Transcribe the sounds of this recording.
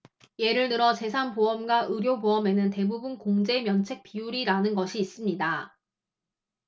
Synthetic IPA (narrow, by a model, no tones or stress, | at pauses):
je̞ɾɯɭnɯɾʌt͡ɕe̞sʰanpoʌmɡwaʔɯɾjoboʌme̞nɯnte̞bubunkoŋd͡ʑe̞mjʌnt͡ɕʰe̞k̚p͈iuɾiɾanɯnɡʌɕʰiːs͈ɯmɲida